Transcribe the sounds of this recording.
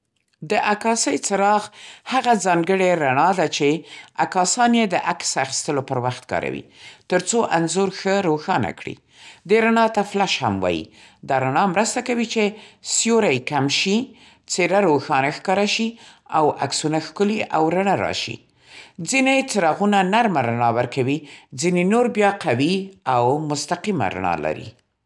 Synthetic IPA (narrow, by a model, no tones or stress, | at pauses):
d̪əʔakɑsəjt͡səɾɑɣhaɣazɑŋɡəɽeɾaɳɑd̪at͡ʃeakɑsɑnjed̪əʔaksaxi̥st̪əlopəɾwaxt̪kɑ̰ɾa̰wḭt̪əɾt͡soʔanzuɾxəɾoxɑna̰kɽḭ | d̪eɾaɳɑt̪aflaʃhamwɑ̰jḭ | d̪ɑɾaɳɑmɾəst̪akawit͡ʃesjoɾajkamʃi | t͡seɾaɾoxɑnaxkɑɾaʃiawaksunaxkʊliʔawɾaɳaɾɑ̰ʃḭ | d͡zinet͡səɾɑɣunanaɾmaɾaɳɑwəɾkawid͡zinenoɾbjɑqawiawmʊst̪aqima̰ɾa̰ɳɑ̰la̰ɾḭ